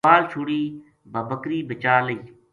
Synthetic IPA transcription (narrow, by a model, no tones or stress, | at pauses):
aːlt͡ʃʰuːɽiː | bʱəbəkɾiːbɪt͡ʃaːləiː